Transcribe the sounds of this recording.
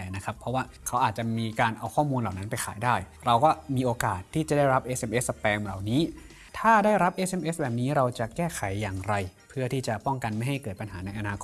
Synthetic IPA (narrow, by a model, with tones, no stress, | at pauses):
na˦˥kʰa˦˥pʰɾɔ˦˥waː˥˩kʰa˦˥wʔaː˨˩t̪̚t͡ɕa˨˩miː˧kaː˧nʔa˧wkʰɔː˥˩muː˧nla˨˩wna˦˥npa˧jxʰaː˩˦jdaː˥˩j | ɾa˧wkɔː˥˩miː˧ʔoː˧kaː˨˩t̪ʰːiː˥˩t͡ɕa˨˩daː˥˩jɾa˦˥pʔe˦˥sʔe˧mʔe˦˥ssa˧pɛː˧ŋlaː˨˩wniː˦˥ | t̪ʰaː˥˩daː˥˩jɾa˦˥p̚ʔeː˦˥se˧mʔe˦˥sbɛː˨˩p̚niː˦˥ɾa˧wt͡ɕa˨˩kɛː˥˩kʰa˩˦jːaː˨˩ŋɾa˧jpʰɯ˥˩ɐt̪ʰiː˥˩t͡ɕa˨˩pɔ˥˩ŋka˧nma˥˩jɦa˥˩jkɤː˨˩t̪pa˧nɦaː˩˦na˧jʔa˧naː˧kʰo˦˥